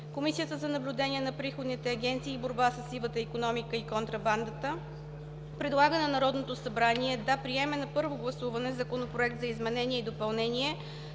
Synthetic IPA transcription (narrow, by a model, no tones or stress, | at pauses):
komisijət̪əzɐnɐblʲʊd̪ɛnʲiɛnɐpɾixod̪nit̪ɛɐɡʲɛnt̪siːboɾbasəsivət̪əikonɔmikəikont̪ɾɐband̪ət̪ə | pɾɛd̪lˠaɡənɐnɐɾɔd̪not̪osɐbɾaniɛd̪apɾiɛmɛnɐpɤɾvoɡlˠɐsuvɐnɛzɐkonopɾoɛk̚t̪zɐizmɛnɛnʲiɛid̪opɐlˠnɛniɛ